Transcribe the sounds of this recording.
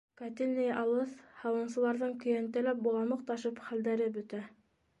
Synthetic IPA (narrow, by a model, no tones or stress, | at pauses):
kæt̪ilʲnɘjʔɑlˠɤθhɑwɤ̆nsɤ̆lˠɑɾðɤɴkɵ̆jænt̪ælæp̚bulˠɑnmɤq̚t̪ɑʃɤpχæld̪æɾɘbɵ̆t̪æ